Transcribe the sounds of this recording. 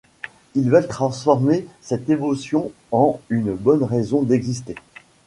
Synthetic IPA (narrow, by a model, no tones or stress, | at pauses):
ilvalt̪χɑ̃sfɔʁmesɛt̪evɔsjɔ̃ | ɑ̃ynbɔnʁezɔ̃d̪ɛɡzist̪e